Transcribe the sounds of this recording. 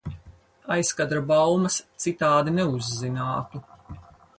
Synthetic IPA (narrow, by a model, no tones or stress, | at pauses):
ajskad̪ɾabawmɐst̪sit̪aːd̪inɛuzːinaːt̪u